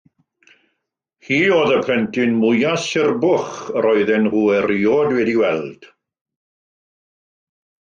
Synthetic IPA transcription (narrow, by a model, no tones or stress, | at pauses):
hiːoːðəpʰlɛntʰɪnmʊjasɪrbʊχrɔɨðɛnuɛriɔdwɛdiwɛlˠd̥